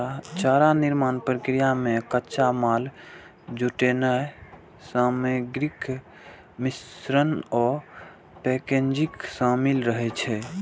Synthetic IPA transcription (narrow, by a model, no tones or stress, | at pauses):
t͡ʃaɾaniɾmanpɾəkɾijamekətːt͡ʃamal | d͡ʒuʈenɛ | səmeɡɾik | misɾənɔ | pekend͡ʒiksə̃milɾəɦɛt͡ʃʰɛ